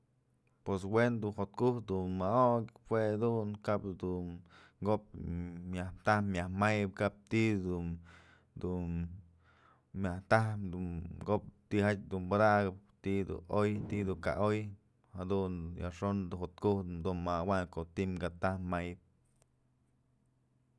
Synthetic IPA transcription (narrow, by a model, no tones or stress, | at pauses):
pwes̬wend̪unhot̪kuht̪d̪unmaokhwead̪unkabd̪unŋɡop̚mjaht̪ahmjahmajp̚kap̚t̪id̪un | d̪un | mʲaht̪ahpd̪uɡop̚t̪ihat̚ʲd̪unbad̪aɡɨpt̪id̪ṵʔojt̪id̪uka̰ʔoj | had̪unja̰ʔʂond̪uhot̪̚kuht̪d̪unmawaŋkot̪imɡat̪ahmajp̚